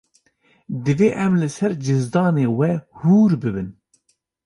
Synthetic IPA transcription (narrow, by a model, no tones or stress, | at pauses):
d̪ɨveːʔɛmlɨsɛɾd͡ʒɨzd̪ɑːneːwɛhuːɾbɨbɨn